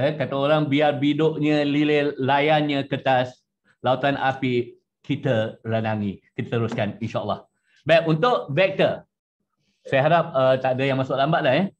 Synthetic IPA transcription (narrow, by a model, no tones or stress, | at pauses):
əkat̪aoɾaŋbiarbidʊʔɲə̃liləlajanɲəkət̪as | laut̪anʔa̰pi | kit̪əɾanaŋikit̪at̪əɾʊskaninʃaʔəlːɑ̰h | baʔunt̪ʊʔvɛk̚t̪ə | sajaɦaɾap̚ət̪adəjaŋmãsʊʔlambaʔ̚lahjə